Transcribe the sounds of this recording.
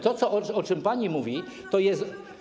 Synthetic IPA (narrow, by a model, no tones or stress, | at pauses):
t̪ɔt̪sɔʔɔɔt͡ʂɘmpaɲimuvʲit̪ɔjɛst̪